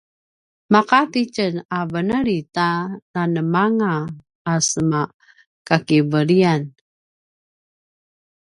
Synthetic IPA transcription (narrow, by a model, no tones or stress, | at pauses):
maqatit͡ʃənavənəɾitananəmaŋaː | səma | kakivəɾian